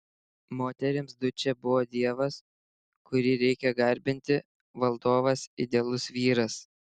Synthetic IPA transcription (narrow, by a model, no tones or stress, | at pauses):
moːt̪ʲɛɾʲɪmsd̪ʊt͡ʃʲɛbʊʋoːd̪ʲiɛʋɐs | kʊɾʲiɾʲɛɪkʲɛɡɐɾʲbʲɪnʲt̪ʲɪ | ʋɐlˠd̪oːʋɐsɪd̪ʲeːlˠʊsʋʲiːɾɐs